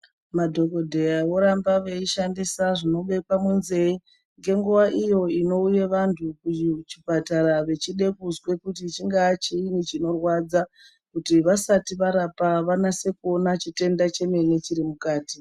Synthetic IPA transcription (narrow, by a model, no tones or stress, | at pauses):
madʱo̞ko̞dʱe̞jawo̞ɾambaʋe̞iʃandisaʐino̞ɓe̞pamwunze̞i | ŋɡe̞ŋɡuʋaʔijo̞ino̞uje̞ʋantʰukuut͡ʃipataɾaʋe̞t͡ʃiɗe̞kuzwe̞kutit͡ʃiŋɡaːt͡ʃiːnit͡ʃino̞rwad͡za | kutiʋasatiʋaɾapaʋanase̞kuo̞nat͡ʃite̞ndat͡ʃe̞me̞ne̞t͡ʃiɾimukaːti